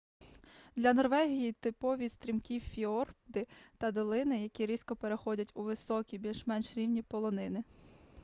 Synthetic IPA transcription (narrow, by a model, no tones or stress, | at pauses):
d̪lʲɐnɔrʋɛɦʲijit̪ɪpɔʋʲist̪ɾʲimkʲiwfʲiɔrpd̪ɪt̪ɐd̪ɔlˠɪnɪjɐkʲiɾʲiskɔpeɾexɔdʲɐtʲʊʋɪsɔkʲibʲilʲʃmɛnʃɾʲiwnʲipɔlˠɔnɪnɪ